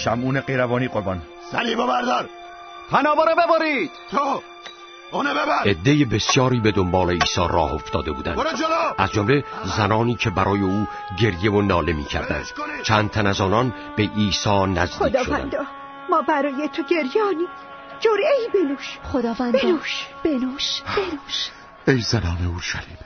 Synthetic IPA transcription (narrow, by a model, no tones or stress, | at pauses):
ʃæmuːneqejɾævɒːniːqoɾbɒn | æɾiːbebæɾd̪ɒɾ | pʰænɒːbɒːɾebebɒɾiːd̪̥t̪ʰo | nbæe̞d̪ːe̞jebe̞sjɒːɾiːbe̞d̪o̞mbɒːle̞iːsɒːrʔɒ̰ːho̞ft̪ɒ̰ːd̪e̞bṵːd̪æ̰nlʔæzd͡ʒomle̞zænɒːniːcʰe̞bæɾʔɒːje̞uː | ɟe̞ɾjevonɒːle̞mḭːcʰæ̰ɾd̪æ̰nd̪̥t͡ʃʰænd̪̚t̪ʰænæzɒːnɒn | be̞ʔiːsɒːnæzod̪ːʃovææ̰nɒ | mɒːbæɾɒːjet̪ʰoɟe̞ɾjɒːniː | d͡ʒoɾiejbenuːʃχod̪ɒːvænb̪nuʃb̥enuʃbenuʃ | ejzænɒːneuɾʃæliːb̥